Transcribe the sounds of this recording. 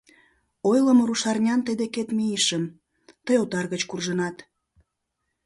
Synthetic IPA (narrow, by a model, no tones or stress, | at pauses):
ojləmoɾuʃɑrnʲɑnt̪əd̪eket̪miiʃən | t̪əjot̪ɑrɣət͡ɕkurʒənɑt̪